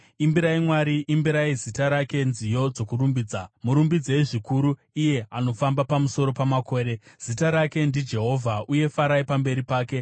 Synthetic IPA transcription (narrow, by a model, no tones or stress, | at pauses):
imbiɾaimwaːɾiʔimbiɾaizitaɾake̞nzijo̞d͡zo̞kurumbiːd͡zamuɾumbid͡zeʐikuɾu | ije̞ano̞fambapamuso̞ɾo̞pamako̞ːɾe̞z̥itaɾake̞ndid͡ʒe̞ɦo̞vʱaʔuje̞faɾaipambe̞ɾipaːke̞